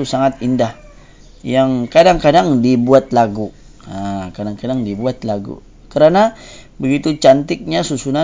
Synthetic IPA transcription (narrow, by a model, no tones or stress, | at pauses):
usaŋat̪̚indah | jaŋkadaŋkadaŋdibuat̪̚laɡu | akadaŋkadaŋdibuat̪̚laɡṵ | kəɾanabəɡit̪ut͡ʃant̪ɪk̚ɲasusuna